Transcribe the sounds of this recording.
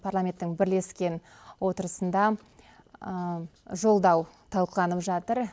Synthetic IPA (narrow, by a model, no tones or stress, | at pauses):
pʰarlˠamʲe̞nt̪ːɪŋbɪɾle̞skʲe̞n | wo̞t̪əɾəsənd̪ɑ | ʒo̞lˠd̪ɑw | t̪ʰɑlˠqəlˠɑnəpʒɑt̪əɾ